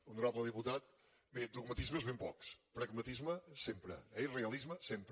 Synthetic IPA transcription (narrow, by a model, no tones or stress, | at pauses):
unuɾaβlˠɐðiput̪að | bẽd̪uɣmɐt̪iʒmɐʒβẽpɔkʃpɾɐɣmɐt̪iʒmɐsẽmpɾ̰ɛiʁɨɐlˠiʒmɐsẽmpɾ